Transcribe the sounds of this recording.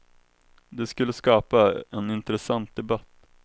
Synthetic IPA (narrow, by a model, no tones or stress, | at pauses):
d̪ɛskɵlːəskɑːpaɛnɪnt̪ɾɛsant̪̚d̪ɛbat̪ː